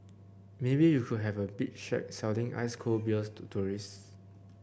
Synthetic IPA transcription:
mebijukʰud̚ɦɛvəbit̚ʃɛ̰k̚sɛldĩŋa̰ɪskʰolbilstʰutʰuɹis

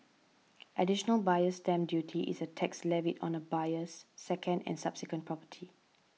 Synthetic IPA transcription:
ʔədiʃɔnəlbajəstɛ̃mdjutʰiʔḭsətʰɛkslɛvitɔ̰̃nəbajəsːɛkʰə̃ndɛ̰̃nsab̥sikwə̃npʰɹɔpə̥tʰi

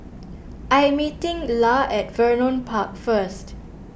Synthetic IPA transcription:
ʔajmitɪ̃ŋlaɛt̚vənɔ̃npʰak̚fəst

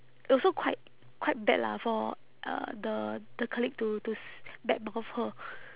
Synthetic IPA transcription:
ʔɔsokʰwaɪt̚ | kʰwaɪt̚bɛ̰tla̰fɔ | ʔʌ̰dəd̥̪əkʰəlik̚tutusbɛt̚mɔ̃ŋɔfhə

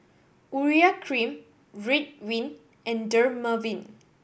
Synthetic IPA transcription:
uɹiakʰɹĩm | ɹit̚wĩn | ʔɛ̃ndəɹməvĩn

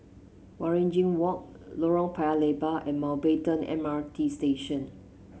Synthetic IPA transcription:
wɔɹẽnd͡ʒĩŋwɔk̚ | loɹəlpʰaalebəʔɛ̃nmalbetə̃nɛ̰̃matʰisteʃə̃n

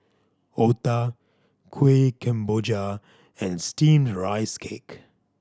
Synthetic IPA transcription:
ot̪a | kʰwekʰɛ̃mbod͡ʒa | ɛ̃nstĩːmɹaɪskʰeːk

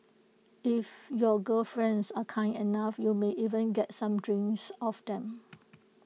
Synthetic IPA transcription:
ifjɔɡəlfɹɛ̃nsakʰãɪ̃ndinafjumeʔivə̃nɡɛt̚sãmdɹĩŋsɔfdɛ̃m

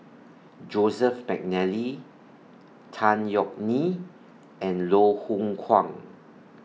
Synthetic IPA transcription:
d͡ʒozəfmɛk̚nɛli | tʰãnjɔk̚ni | ɛ̃nlohũŋkʰwãŋ

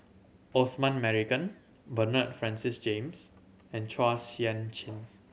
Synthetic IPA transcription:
ɔsmãnmɛɹikə̃n | bənət̚fɹɛ̃nsɪsd͡ʒẽms | ɛ̃nt͡ʃʰasiãnt͡ʃĩn

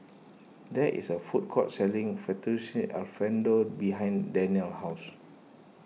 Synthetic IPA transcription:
dɛʔʔḭsəfut̚kʰɔtsɛlĩŋfɛtisĩa̰lfɛ̃ndobiɦãj̃ndɛniəlhaʊs

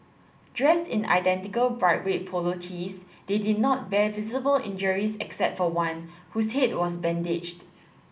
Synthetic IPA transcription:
d̥ɹɛstɪ̃na̰ɪdɛ̃ntɪkəlbɹaɪt̚wet̚pʰolotʰis | d̥edɪd̚ⁿnɔt̚bɛvizəbəlʔɪ̰̃nd͡ʒəɹisɛksɛp̚tfɔwãnhushet̚wɔs̬bɛ̃ndɪd͡ʒt

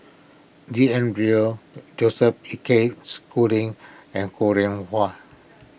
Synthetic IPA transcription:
diɛ̃nbɹiod͡ʒosɛp̚ikeskulĩŋɛ̃nkʰoɹĩnha

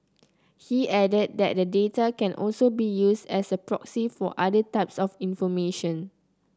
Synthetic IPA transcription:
hiʔɛdəd̚dɛ̰t̚dədetakɛ̃nʔɔ̰lsobijusdɛsəpɹɔksifɔ̰ʔadətaɪp̚sɔfĩnfɔmeʃɔ̃n

